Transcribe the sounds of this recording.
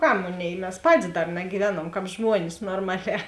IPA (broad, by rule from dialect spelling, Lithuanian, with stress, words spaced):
ˈkɐm ˈmoːˌnʲeːɪ mʲɛs ˈpɑːtʲɪs ˈdɐr nɐɡʲiːˈʋʲæːnuɔmˈkɑːp ˈʒmuɔnʲɪs noːrˈmɑːˌlʲɛː